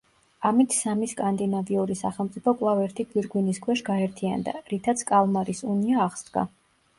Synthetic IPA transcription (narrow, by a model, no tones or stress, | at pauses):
amit̪ʰsamiskʼand̪inaviuɾisa̰χɛlˠmt̪ʼipʰɔkʼwlˠavɛɾt̪ʰiɡwiɾɡwiniskʰwɛʃɡaɛɾt̪ʰia̰nd̪a̰ɾit̪ʰat̪sʰkʼalˠmaɾisuniaːʁsd̪ɡa̰